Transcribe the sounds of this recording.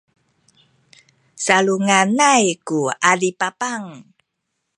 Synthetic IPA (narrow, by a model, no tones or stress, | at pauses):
saluŋanajkuadipapaŋ